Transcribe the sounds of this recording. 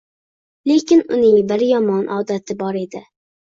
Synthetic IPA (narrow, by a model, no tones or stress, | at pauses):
lekʲɪnʊnɪŋbɪɾjɒmɑnʔɑːd̪ɛt̪ʰɪbɑɾed̪ɪ